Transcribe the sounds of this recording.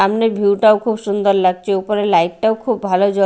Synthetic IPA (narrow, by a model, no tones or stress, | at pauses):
amnebʱiwʈawkʰubsund̪oɾlaɡt͡ɕʰeupoɾelajʈʈaoʊkʰubːʱalod͡ʑo